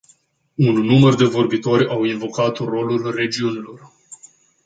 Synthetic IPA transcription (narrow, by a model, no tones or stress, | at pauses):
unːumərd̪e̞vo̞rbit̪o̞ɾʲawinvo̞kat̪ro̞lulre̞d͡ʒiunilo̞r